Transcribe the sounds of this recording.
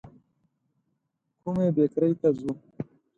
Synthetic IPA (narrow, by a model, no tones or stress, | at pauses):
kʰumebekɾejt̪azu